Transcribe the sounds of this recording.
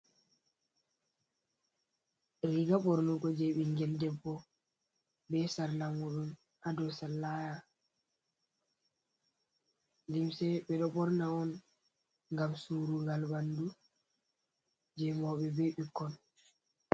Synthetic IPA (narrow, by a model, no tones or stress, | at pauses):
ɾiɡaɓɔɾnuɡɔd͡ʒɛɓiŋɡɛldɛbːɔ | bɛsaɾlaŋuɗum | hadɔsalːaja | limsɛɓɛɗɔɓɔɾnaɔn | ŋɡamsuɾuɡalbandu | d͡ʒɛmɔɓɛbɛɓikːɔn